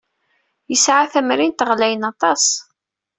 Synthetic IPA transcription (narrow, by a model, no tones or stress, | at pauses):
jəsʕaθæmɾint̪əʁlæjənɑt̪ˤɑs